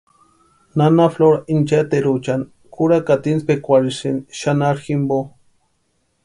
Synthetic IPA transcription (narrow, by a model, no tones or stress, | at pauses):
nanafloɾaint͡ʃat̪eɾut͡ʃan | kuɾakat̪inspekʷaɾisinʃanaɾximbo